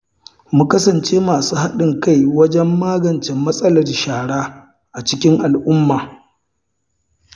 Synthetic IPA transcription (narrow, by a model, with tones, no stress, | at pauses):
mu˦kɐ˦sɐ˨nt͡ʃeː˦maː˨suː˦ha˦ɗɪ˨ŋka˦˨jwɐ˦d͡ʒɛ˦mːaː˦ɡɐ˨nt͡ʃɛ˨mːɐ˦sʼɐ˦lɐ˨rʃaː˨ɽaː˦ | ʔa˨t͡ʃɪ˦kʲɪ˦ŋʔa˨lʔʊ˦mːaː˨